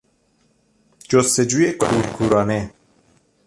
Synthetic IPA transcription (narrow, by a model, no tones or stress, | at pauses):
d͡ʒost̪ed͡ʒuːjekʰuːɾkʰuːɾɒːne